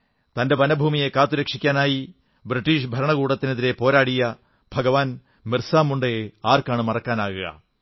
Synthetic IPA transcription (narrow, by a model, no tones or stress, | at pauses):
t̪ɐnde̞bɐnɐbʱuːmijekaːt̪ːuɾɐkʂikʲːaːnaːji | bɾiʈːiːʂbʱɐɾɐɳɐkuːɽɐt̪ːineðiɾe̞po̞ːɾaːɽijɐ | bʱɐɡɐʋaːn | mirsaːmːuɳɖeaːrkaːɳɨmɐrɐkːaːnaːɣuɣɐ̰